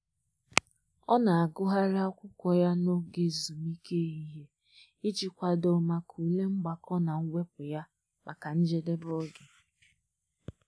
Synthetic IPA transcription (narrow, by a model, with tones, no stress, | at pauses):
ɔ˦na˨a˨ɡʊ˦ɦa˦ɾa˦ɔ˦kʷʊ˦kʷɔ˨ja˦no˦ɡe˨zu˨mi˦ke˦i˦ɦe˦ | i˦t͡ʃi˨kʷa˨do˨ma˨kʰu˨le˦ŋ͡m̩˦ɡ͡ba˨kɔ˦na˨ŋ̩˦we˦pʊ˨ja˦ | ma˨ka˨n̩˦d͡ʒe˦de˦bɔ˦ɡɪ˨